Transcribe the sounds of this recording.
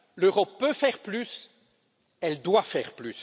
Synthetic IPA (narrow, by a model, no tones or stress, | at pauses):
løʁɔpːøfɛʁplys | ɛld̪wafɛːʁplys